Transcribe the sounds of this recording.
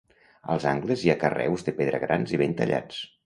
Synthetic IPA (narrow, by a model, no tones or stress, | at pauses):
ə̰lˠzaŋɡləziakərɛ̰wzðəpeðɾəɣ̞ɾʔanziβent̪ə̰ʎa̰t͡s